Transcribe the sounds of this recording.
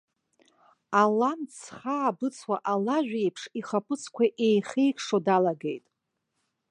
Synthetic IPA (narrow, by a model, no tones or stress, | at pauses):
alant͡sʰχaːbɨt͡sʰwaʔalaʒᶣejpʰʂiχapʰʼɨt͡sʰkʷaʔejχejkʰʂodalaɡejtʼ